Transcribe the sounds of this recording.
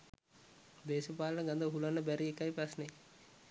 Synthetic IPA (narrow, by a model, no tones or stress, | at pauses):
d̪eːʃəpaːlənəɡand̪əʋɦulanːəbæɾiekajprasnej